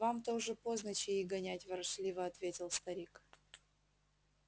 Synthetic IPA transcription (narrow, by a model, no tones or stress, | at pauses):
vamt̪oʐɨpoznət͡ɕɪiɡɐnʲætʲvɐɾʂlʲivəɐt̪vʲetʲɪlˠst̪ɐɾʲik